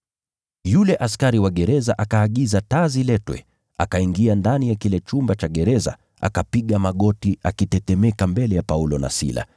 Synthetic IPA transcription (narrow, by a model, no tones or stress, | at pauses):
julɛʔaskaɾiwaɠɛɾɛzaʔakaːɠizatazilɛtwɛ̰ | a̰kaiŋɡiandanijakilɛt͡ʃumbat͡ʃaɠɛɾɛza̰ | ʔa̰kapiɠamaɠɔtiakitɛtɛmɛkambɛlɛjapaulɔna̰sḭla̰